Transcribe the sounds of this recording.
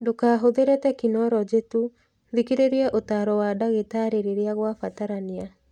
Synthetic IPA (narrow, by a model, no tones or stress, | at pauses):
dokaːɦoðeɾetɛkinɔɾɔd͡ʒetu | ðikiɾeɾeɛʔotaːɾɔwadaɣetaːɾeɾeɾeaɣwafataɾania